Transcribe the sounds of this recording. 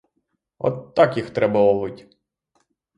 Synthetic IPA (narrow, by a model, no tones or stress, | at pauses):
ɔ̰t̪ːɑkjixt̪ɾɛbɐʋɔʋɪtʲ